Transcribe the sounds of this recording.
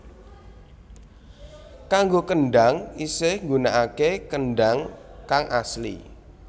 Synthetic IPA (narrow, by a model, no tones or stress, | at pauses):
kaŋɡokəɳɖaŋisɪhŋɡunaʔakekənɖaŋkaŋʔaslḭ